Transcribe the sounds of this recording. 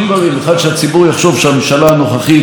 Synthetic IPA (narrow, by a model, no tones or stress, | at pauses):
d̪vaʁimeχad̪ʃeat͡sibuʁjaχʃo̞vʃeameʃalaano̞χaχi